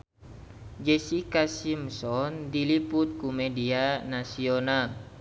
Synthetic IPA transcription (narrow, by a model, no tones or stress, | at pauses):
d͡ʒɛsikasimsɔndiliput̪̚kumɛdianasional